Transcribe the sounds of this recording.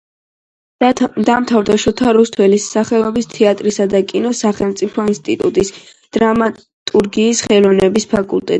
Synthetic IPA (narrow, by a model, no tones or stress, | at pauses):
d̪amt̪ʰavɾd̪aʃɔt̪ʰaɾust̪ʰwɛlisaχɛɔbist̪ʰɛat̪ʼɾisad̪akʼinɔsaχɛlˠmt̪sʼipʰɔinst̪ʼit̪ʼut̪ʼis | d̪̥ɾama | t̪ʼuɾɡiːsχɛlɔvnɛbispʰakʼult̪ʼɛt̪